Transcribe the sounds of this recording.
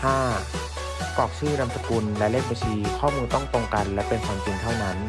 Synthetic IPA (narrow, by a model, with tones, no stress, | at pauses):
t̪ʰaː˥˩ | kɔː˨˩k̚sɯː˥˩na˧msa˧ku˧nlɛː˨˦˥leː˥˩k̚ba˧sʰiː˧kʰɔː˥˩muː˧nt̪ɔ˥˩ŋt̪o˧ŋka˧nlɛː˦˥wpe˧nkʰɔː˧ŋt͡ɕi˧ŋt̪ʰa˥˩wna˦˥n